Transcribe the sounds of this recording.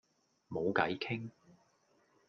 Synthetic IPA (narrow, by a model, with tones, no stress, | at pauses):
mo˨˧wkɐ˨˥jkʰɪ˥ŋ